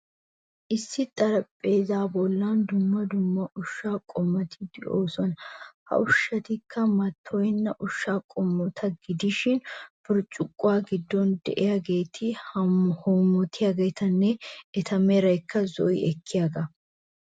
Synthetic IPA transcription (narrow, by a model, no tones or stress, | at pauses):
ʔɪsːɪt̪ʼɐɾɐpʼːeːzaːbɔlːɐnd̪ʊmːɐd̪ʊmːɐʔʊʃːaːkʼɔmːɐt̪ɪd̪ɪʔoːsɔnhɐ̰ʔʊʃːɐt̪ɪkʰːɐmɐt̪ʰːɔjɪnːɐʔʊʃːaːkʼɔmːɔt̪ʰɐɡɪd̪ɪʃɪnfʊɾt͡ʃʼʊkʼːʊwaːɡɪd̪ːɔnd̪ɛ̰ʔɛjɐɡe̞ːt̪ʰɪ | hɔmɔt̪ʰɪjaɡeːt̪ʰɐnːɛɛt̪ʰɐmɛɾɐjkːɐzɔ̰ɪ̰ɛkʰːɪjaːɡɐ